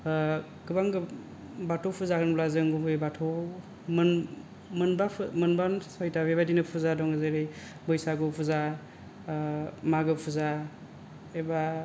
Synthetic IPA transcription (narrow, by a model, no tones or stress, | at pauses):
ɡɯbaŋɡɯ | batʰopʰuzakʰɯnplazɯŋɡumɯjbatʰɔ | mɯn | mɯnbamɯnbansɔjtʰabebadinɯpʰuzadɔŋɡɯzɯɾi | bɯjsaɡɯpʰuza | maɡɯpʰuza | eba